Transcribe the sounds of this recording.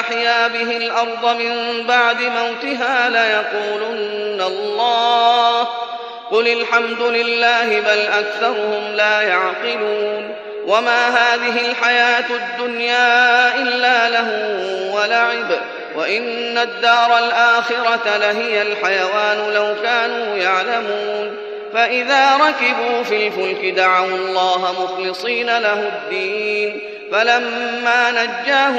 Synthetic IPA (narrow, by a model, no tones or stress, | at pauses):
aħjaːbɪɦɪlʔɑɾˤd̪ˤɑmɪmbaʕd̪ɪmawt̪ɪɦaːlajɑquːlʊnːalˤːɑːh | qʊlalħamd̪ʊlɪlːaːhɪbalʔakθɑɾˤʊhʊmlaːjaʕqɪluːn | wamaːɦaːðɪɦɪlħajaːt̪ad̪ːʊnjaːʔɪlːaːlaɦʊwalaʕɪb | waʔɪnːad̪ːɑːɾˤɑlʔaːxɪɾɑt̪alaɦɪjalħajawaːnʊlawkaːnuːjaʕlamuːn | faʔɪðaːɾˤɑkɪbuːfiːlfʊlkɪd̪aʕawlˤːɑːɦamʊxlɪsˤiːnalahʊd̪ːiːn | falamːaːnad͡ʒːaːh